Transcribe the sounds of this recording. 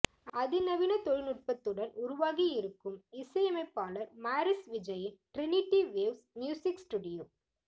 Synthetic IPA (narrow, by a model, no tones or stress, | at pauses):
ɐðɪnɐʋɪnɐt̪ɔɻɪnɯr̚pɐt̪ːɯɽɐnʊɾʊʋaːɣiɪɾɯkːɯmɪsɐjɐmɐɪpːaːlɐɾmaːɾɪsʋɪd͡ʒɐjɪnʈɾɪnɪʈːiʋeʋsmjuːsɪksʈuːɽɪjoː